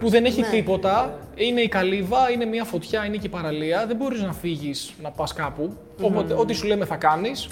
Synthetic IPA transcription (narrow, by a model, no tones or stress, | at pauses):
puðe̞ne̞çit̪ipo̞t̪ɐ | ine̞ikɐlivɐine̞miɐfo̞t̪çɐinecepɐɾɐliɐðembo̞ɾiznɐfiʝisnɐpɐskɐpu | opot̪eo̞t̪isule̞me̞θɐkɐnis